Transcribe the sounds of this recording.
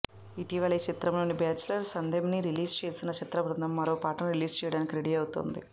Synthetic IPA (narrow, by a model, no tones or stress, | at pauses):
iʈiʋɐɭeːt͡ʃit̪ɾɐmlo̞ːnibaːt͡ʃːulɐɾsɐnd̪ʱemniɾiliːst͡ʃe̞ːsinɐt͡ʃit̪ɾɐbɾɐnd̪ɐmːɐɾoːpaːʈɐnuɾiliːst͡ʃɛːjɐɽaːnikiɾeɽiɐwt̪o̰nd̪ḭ